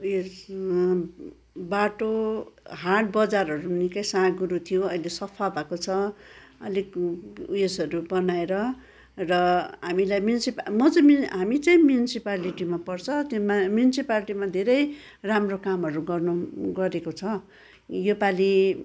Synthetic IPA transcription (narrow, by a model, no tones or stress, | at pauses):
ujes | baʈoɦaʈ̚bʌd͡zarʌɾunikʌjsãɡuɾut̪ʰijoʌjlesʌpʰabʱakot͡sʰʌʌ̰likujesʌɾubʌnaeɾʌ | rʌɦamilajmjunisipmʌt͡sʌmɦamit͡saĩmjunisipaliʈimapʌrt͡sʰʌt̪jomamjunisipalʈimad̪ʱeɾʌj | ramrokamɦʌɾuɡʌrnuɡʌɾekot͡sʰʌ | jopali